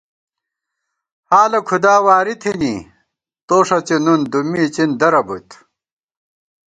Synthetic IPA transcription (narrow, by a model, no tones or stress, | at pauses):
haːlɐkʰud̪aːwaːɾit̪ʰiniː | t̪oːʂɐt͡ɕenund̪umiːt͡ɕind̪ɐɾɐbṵt̪